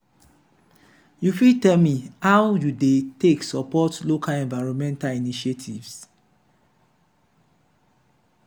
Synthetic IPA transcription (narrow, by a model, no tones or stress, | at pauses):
jufitɛlmihawjudeteksɔpɔtlokʰalɛ̃nvaɪɹɔ̃nmɛ̃ntaliniʃetʰḭvs